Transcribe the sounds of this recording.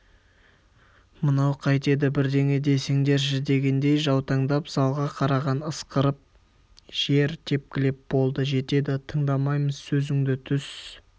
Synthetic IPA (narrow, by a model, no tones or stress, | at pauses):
mənɑwqʰɑjt̪e̞d̪ɪbɪɾd̪e̞ŋe̞d̪e̞seŋd̪e̞ɾʒɪd̪e̞ɡʲe̞nd̪e̞jʒɑwt̪ʰɑɴd̪ɑpzɑlˠʁɑqʰɑɾɑʁɑnəsqəɾəp̚ | ʒ̥e̞ɾt̪ʰe̞p̚kʲɪlep̚b̥o̞lˠd̪əʒe̞t̪e̞d̪ɪt̪ʰəɴd̪ɑmɑjməz̥sɵzɪŋd̪ɪt̪ʰʏs